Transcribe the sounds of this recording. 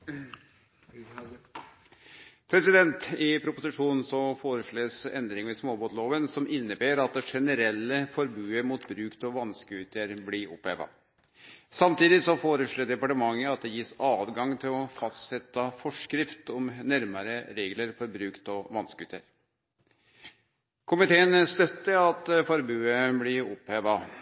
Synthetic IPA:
pʰɾɛsɪd̪ɛnt̪ɪpʰɾʊpʊsɪʂuːnn̩sɔfoːɾəʂɭeːsɛ̰nd̪ɾɪŋʋɛsmoːboːt̪loːʋənsɔmɪnːəbeːɾɑt̪̚d̪ɛʂɛnəɾɛlːəfɔɾbʉːəmuːt̪bɾʉːkt̪ɔʋɑnskəʉːt̪əɾblɪɾɔ̰pːeːʋɑ̰ | sɑmt̪iːd̪ɪsɔfoːɾəʂɭoːɖ̪ɛpɑʈəmɑŋːəɑt̪̚d̪ɛjiːsɑːd̪ɡɑŋt̪ʰɪlɔfɑst̪sɛt̪ːɑfɔʂkɾɪft̪ɔmnæɾmɑɾəɾeːɡləɾfɔɾbɾʉːkt̪ɔʋɑnskəʉːt̪ə̰ɾ | kʰʊmɪt̪ʰeːənst̪œt̪ːəɾɑt̪fɔɾbʉːəblɪɾɔpːeːʋɑ

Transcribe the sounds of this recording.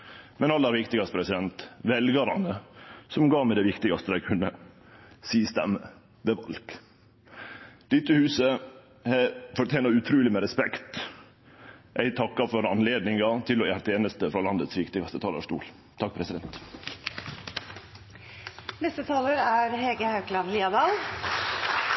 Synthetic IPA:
mɛnɑlːɑæɾʋɪkt̪ɪɡɑst̪əpɾɛsɪd̪ɛnt̪ʋɛlɡɑɾɑ̰nəsɔmɡɑːmɛd̪ɛʋɪkt̪ɪɡɑst̪əd̪æɪkʰʉnːə | siːst̪ɛ̰mə | ʋɛʋɑlɡ̥ | d̪̥ɪt̪ːəhʉːsə | hɛfɔʈ̪ʰeːnɑʉt̪ʰɾʉːlɪmɛɾɛspɛkt̪ | ʔæɪt̪ʰɑkːɑfɔɾɑnleːd̪nɪŋɑt̪ʰɪlɔjæɾt̪ʰeːnəst̪əfɾɑːlɑnd̪ət̪sʋɪkt̪ɪɡɑst̪ət̪ʰɑːlɑʂt̪ṵːl | t̪ʰɑk̚ːpʰɾɛsɪd̪ɛnt̪ | nɛst̪ət̪ʰɑːləɾæːɾheːɡəhɑʉklɑnliːɑd̪ɑːl

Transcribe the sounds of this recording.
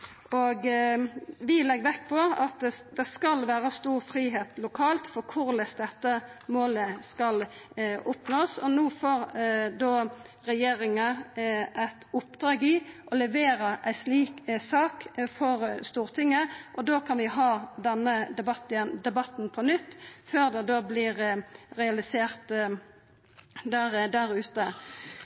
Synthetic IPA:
ɔɡ | ʋɪlɛɡʋɛkːpʰɔɑt̪̚ɛd̪ɛskɑlʋæːɾəst̪uːʁfɾiːɦeːt̪lʊkʰɑːlt̪fɔkʰʊɾlɛsd̪ɛt̪ːəmoːləskɑlʊpnoːsɔnuːfoːɾd̪oː | ʁɛjeːɾɪŋəʔæɪt̪ʊpd̪ʁɑːɡɪʔɔlɛʋeːɾəʔæɪsliːksɑːkfɔʁst̪uːʁt̪ʰɪŋːəʔɔd̪oːkʰɑnʋɪɦɑːd̪ɛnːəbɑt̪nd̪ɛbɑt̪n̩pʰɔnʏt̪ːføːʁd̪ɛd̪oːblɪːʁʁɛɑlɪseːʁt̪ | d̪æʁd̪æɾʉːt̪ə

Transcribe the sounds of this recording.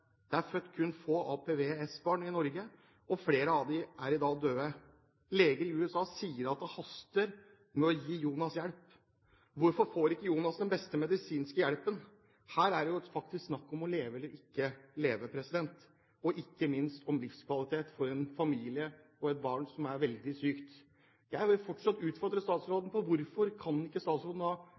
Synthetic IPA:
d̪̥ɛæɾfœt̪ːkʰʉnːfoːɑːpʰeʋeɛsbɑːɳɪnɔɾɡə | ɔfleːɾəɑʋd̪ɪʔæɾɪd̪ɑːd̪øːə | leːɡəɾɪʉːɛsɑːsiːəɾɑt̪̚d̪ɛhɑst̪əɾ | mɛɔjiːjuːnɑsjæɽp | ʋʊɾfɔɾfoːɾɪkːəjuːnɑsd̪ɛnbɛst̪əmɛd̪ɪsiːnskəjæɽpən | hæːɾæɖɛjʊfɑk̚t̪ɪsksnɑkːɔmɔleːʋəɛlːəɾɪkːəleːʋəpʰɾɛsɪd̪ɛnt̪ | ɔʔɪkːəmɪnst̪ɔmlɪfskʰʋɑlɪt̪ʰeːt̪fɔɾɛnfɑmiːlɪə | ɔɛt̪̚bɑːɳsɔmæɾʋɛld̪ɪsyːkt̪ | jæɪhɪfɔʈːʂɑt̪ːʉːt̪fɔɾd̪ɾəst̪ɑːt̪sɾoːd̪n̩pʰɔʋʊɾfɔɾkʰɑnɪkːəst̪ɑːt̪sɾoːd̪nɑ

